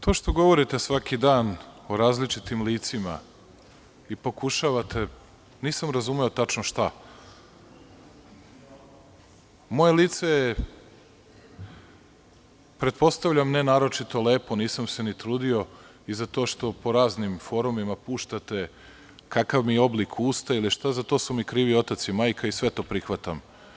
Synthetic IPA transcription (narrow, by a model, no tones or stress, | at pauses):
t̪o̞ːʃt̪o̞ɡo̞ʋo̞ɾit̪e̞sʋakid̪aːno̞ɾaːzlit͡ʃit̪imliːt̪sima̰ | ipo̞kuʃaʋat̪e̞ | niːsamɾazumeo̞t̪at͡ʃnoʃt̪a | mo̞je̞liːt̪seje | pɾet̪po̞st̪aʋʎʲamnenaːɾo̞t͡ʃit̪o̞le̞ːpo̞niːsamse̞nit̪ɾuːd̪io̞ | izat̪oʃt̪o̞po̞ɾaːznimfo̞ɾumimapuːʃt̪at̪e̞ | kakaʋmijeo̞blikʰuːst̪ailiʃt̪azat̪o̞ːsumikɾiːʋio̞t̪at̪simaːjkʰaisʋe̞t̪o̞ːpɾixʋat̪am